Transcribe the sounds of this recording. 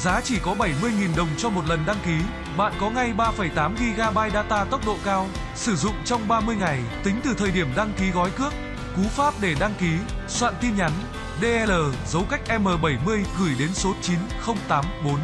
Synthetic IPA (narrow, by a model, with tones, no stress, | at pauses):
zaː˨˦t͡ɕi˧˩kɔ˨˦ɓə˧˩jmɨ˧əjŋi˨˩nɗə˨˩wŋ͡mt͡ɕɔ˧mo˨˩t̚lə˨˩nɗa˧ŋki˨˦ | ɓa̰ː˧˨nkɔ˨˦ŋa˧jɓaː˧fə˧˩jt̪aː˨˦mɣi˧ɣaː˧ɓaː˧jɗaː˧t̪aː˧t̪ə˦˥wk͡p̚ɗo̰˧˨kaː˧w | sɨ˧˩zʊ̰˧˨ŋ͡mt͡ɕɔ˧wŋ͡mɓaː˧mɨ˧əjŋa˨˩jt̪ï˨˦ŋ̟t̪ɨ˨˩t̪ʰəː˨˩jɗi˧˩əmɗa˧ŋki˨˦ɣɔ˨˦jkɨ˦˥ək̚ | ku˨˦faː˦˥p̚ɗe˧˩ɗa˧ŋki˨˦swa̰ː˧˨nt̪i˧nɲa˨˦n | ɗe˧ʔɛ˧ləː˨˩zə˨˦wka˦˥jk̟̚ʔɛ˧mːəː˨˩ɓə˧˩jmɨ˧əjɣɨ˧˩jɗe˨˦nso˨˦t̚t͡ɕi˨˦n | xə˧wŋ͡mt̪aː˨˦mɓo˨˦n